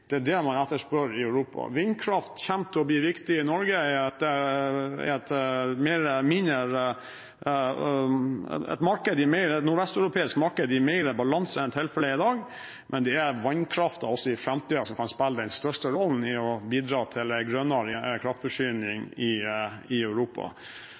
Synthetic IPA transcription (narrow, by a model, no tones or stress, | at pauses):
d̪̥ɛæɖɛmɑnɛt̪ːəʂpøɾɪœʉɾuːpʰɑ̰ʋɪnːkʰɾɑft̪çɛmt̪ʰɔbliʋɪkt̪ɪɪnɔɾɡəæɑt̪ɛ̰ | ɛt̪mɛɾəmɪnəɾ | ɛ̰t̪mɑɾkəd̪ɪmɛɪɾəɛt̪nuːɾʋɛst̪ɑʉɾʊpʰeːɪskmɑɾkəd̪ɪmɛɪɾəbɑlɑnsəɾɛnt̪ʰɪlfɛlːəɪd̪ɑːɡ | mʔɛnd̪ɛæɾʋɑnkʰɾɑft̪ɑɔsːɔɪfɾɛmt̪ʰiːd̪ɑsɔmkʰɑnspɛlːəd̪ɛnst̪œʂʈəɾɔln̩ɪɔbiːd̪ɾɑːt̪ʰɪlɛɡɾœnəɾəkʰɾɑft̪fɔʂyːnɪŋɪɪœʉɾuːpɑ̰